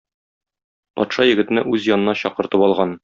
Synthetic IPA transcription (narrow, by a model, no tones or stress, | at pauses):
pɒ̰t̪ʃɑjɘ̆ɡɘ̆t̪ɘ̆nɘʔʉzjɒnɤ̆nɑɕɒqɤ̆ɾt̪ɤpɒlˠʁɑn